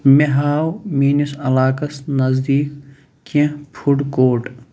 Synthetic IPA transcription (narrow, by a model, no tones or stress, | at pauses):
meɦaːwmiːnisɐlaːkɐsnɐzd̪iːk | kːẽpʰuɖkoːʈ